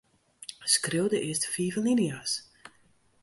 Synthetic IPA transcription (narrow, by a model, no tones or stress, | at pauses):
skrɪwdəʔɪəstfiːvəlinias